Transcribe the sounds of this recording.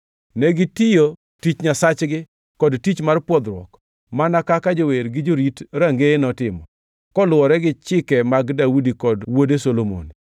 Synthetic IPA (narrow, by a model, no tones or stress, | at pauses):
nɛɡɪtijo | tit͡ʃɲasat͡ʃɡɪ | kɔdtit͡ʃmarpwɔd̪ɾwɔ̰k | manakakad͡ʒoweɾɡɪd͡ʒoɾitɾaŋɡenɔtɪmɔ | kɔlʊɔɾɛɡɪt͡ʃɪkɛmaɡdawudikɔdwodesolomo̰n